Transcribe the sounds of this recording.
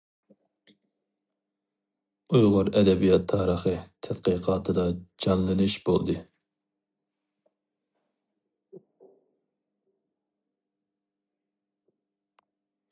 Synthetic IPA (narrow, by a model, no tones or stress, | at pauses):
ujʁʊɾɛd̪ɛbijɑt̪ʰːɑːɾəχɨt̪ʰɛt̪̚qiqʰɑːt̪ʰɨd̪ɑd͡ʒɑnlˠɨnɨʃb̥o̰lˠd̪ɨ